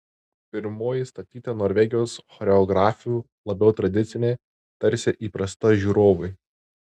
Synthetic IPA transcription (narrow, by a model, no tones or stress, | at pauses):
pʲɪɾmoːjɪst̪ɐt̪ʲiːt̪ɐnoːɾʲʋʲɛɡʲɪjoːsxɔɾʲɛɔɡɾɑːfʲɪjuː | lˠɐbʲɛʊt̪ɾɐd̪ʲɪt̪sʲɪnʲeː | t̪ɐɾʲsʲeʔiːpɾɐst̪ɐʒʲuːɾoːʋɐɪ